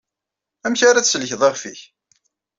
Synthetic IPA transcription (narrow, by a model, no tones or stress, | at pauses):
æmçaɾæt͡ssəlçðˤeʁfiç